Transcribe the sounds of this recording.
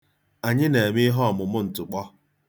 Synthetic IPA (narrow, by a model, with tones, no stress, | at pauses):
a˨ɲɪ˦ne˨mɪ˦ɦɔ˦ɔ˨mʊ˨mʊ˦n̩˨tʊ˨k͡pɔ˦